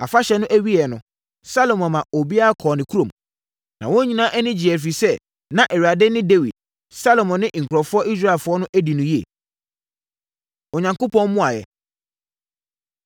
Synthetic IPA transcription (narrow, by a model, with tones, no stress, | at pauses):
a˨fa˦ɕɛ˨˦nʊ̃˦ʔæ˦ɥi˦ɛ˨nʊ̰̃˨ | sa˦lo˨mɔ̃˨mã˨o˨bi˦a˦a˦kʰɔː˨nɪ̃˨kʰu˦ɾõ˨m | nã̰˨wõ˦ɲĩ˨nãː˦ʔɛ˦nɪ̃˦d͡ʑi˨ɛ˨f̬i˨sɛ˦ | nã˨ʔɛ˨ɥa˨dɪ˦nɪ̃˦de˦wi˨d̥̚ | sa˦lo˨mɔ̃˨nːɪ̃˦ŋ̩˨kʰʊ˨ɾɔ˨fʊ˦ɔ˦ʔi˦s̬ɾa˦ɪ˨lfʊ˨˦ɔ˦nʊ̃˦ʔæ˦di˨nʊ̃˨ji˦ḛ˨ | ɔ˨ɲã˨ŋko˦pʰɔ̃˦m˦mʊ̃˦a˨jɛ̰˨